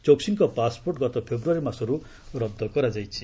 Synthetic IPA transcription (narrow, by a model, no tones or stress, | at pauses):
t͡ʃoksinkɔpasporʈɡʌt̪ɔpʰebɾuaɾimasɔɾu | ɾʌb̚d̪ɔkʌɾad͡zajt͡sʰi̥